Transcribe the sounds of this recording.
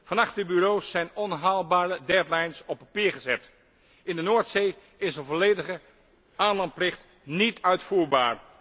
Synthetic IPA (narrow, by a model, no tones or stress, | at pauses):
v̥ɑnɑχtdəbyrowsːɛjnɔnɦaːlˠbaːɾədɛtlɛjnsɔpːapiːɹχəzɛt | ɪndənoːɹtsej | ɪsənvɔlejdəχə | ʔaːnlɑnt̚plɪχt | nitœɥtfuːɹbaːɹ